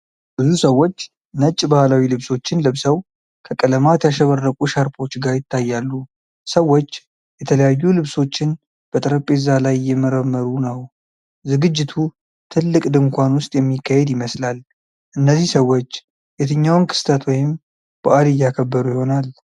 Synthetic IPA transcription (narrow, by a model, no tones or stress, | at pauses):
b̥ɨzusəwːo̞t͡ʃː | nət͡ʃʼːbahlawilɨβso̞t͡ʃːɪnlɨβsəw | kʰəkʼələmat̪jaʃəβərːəkʼuʃaɾpʰo̞t͡ʃːɡaɾjɪt̪ʰːajːalːu | səwo̞t͡ʃː | jɛt̪ʰələjajːulɨβso̞t͡ʃːɪn | b̥ət̪ʼɨɾəpʼːezalajːɛməɾəmːəɾunəw | zɨɡɨd͡ʒːɪt̪ʰu | t̪ʰɨlːɨkʼd̪ɨŋkʷanwʊst̪ʼjɛmːikʰːahɛd̪jɪməslal | ʔɨnːəzːihsəwːo̞t͡ʃː | jɛt̪ʰɨɲːawnkʰɨ̥st̪ʰət̪wɔjɪm | b̥əʔad̪ɨjːakʰəbːəɾujɪho̞nal